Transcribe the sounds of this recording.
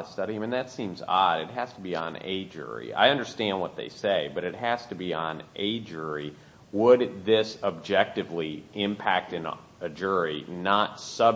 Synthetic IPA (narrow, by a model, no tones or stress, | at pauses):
stʌɾimɨ̃nðɨtsĩmzɑɾɨt̚ɦæz̥tʰəbiə̃nḛɪd͡ʒʊ̰ɹḭa̰ɪʌ̃ndə˞stæ̃nd̚wʌt̪̚ðḛɪseɪbʌɾɨt̚ɦæz̥tɨbiə̃nʔeɪd͡ʒʊɹi | wəd̪̚ðɪsəb̚d͡ʒɛk̚tɨvliɪ̃mpʰæk̚tɨ̃n | ɨd͡ʒʊɹinətsʌ